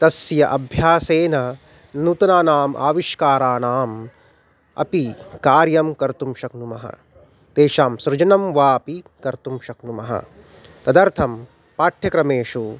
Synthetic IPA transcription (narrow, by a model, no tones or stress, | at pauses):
t̪ɐsjɐʔɐbʱjaːseːnɐ | nut̪ɐnaːnaːmʔa̰ːʋiʃkaːɾaːnaːm | ɐ̰pikaːɾjɐmkɐɾt̪umʃɐknumɐɦɐ̰ | t̪eːʃaːmsɾɪd͡ʒɐnɐmʋaːpikɐɾt̪umʃɐknumɐɦɐ̰ | t̪ɐd̪ɐɾt̪ʰɐm | paːʈʰjɐkɾɐmeːʂu